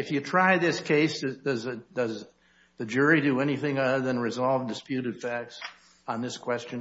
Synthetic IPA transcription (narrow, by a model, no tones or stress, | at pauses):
ɨfjɨtʰɹ̥aɪðɪskʰeɪsɨdʌzɨd̥ʌz | ðɨd͡ʒʊɹidɨɛñiθɪ̃ŋʌəðɨ̃nɹɨzɑlˠvdɨspjʉɾɨd̥fæk̚ts | n̩ðɪskʰw̥ɛst͡ʃɨ̃n